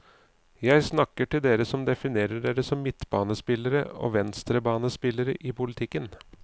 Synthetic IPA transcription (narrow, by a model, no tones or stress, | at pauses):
jæɪsnɑkːəʈɪld̪eːɾəsɔmd̪ɛfɪneːɾəɖeːɾəsɔmːɪt̪ːbɑːnəspɪlːəɾəo̰ːʋɛnst̪ɾəbɑːnəspɪlːəɾəʔɪpʊlɪt̪ʰɪkːən